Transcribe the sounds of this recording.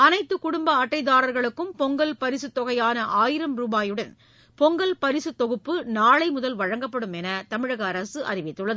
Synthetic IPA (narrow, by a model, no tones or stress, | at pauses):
ɐnɐɪt̪ːɯkʊɽʊmbɐɐʈːɐɪðaːɾɐɾɣɐɭɯkːɯmpɔŋɡɐlpɐɾɪsɯt̪ːɔɣɐjaːnɐʔaːjɪɾɐmɾuːbaːjɯɽɐn | pɔŋɡɐlpɐɾɪsɯt̪ːɔɣɯpːɯnaːɭɐɪmʊðɐlʋɐɻɐŋɡɐpːɐɽɯmɛnɐt̪ɐmɪɻɐɣɐːɾɐsɯʔɐ̰rɪʋɪt̪ːɯɭːɐðɯ